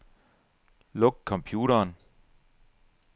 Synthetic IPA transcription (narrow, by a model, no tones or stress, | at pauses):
loɡ̥̚kʰːɒ̽mpʰjuːɾɐːn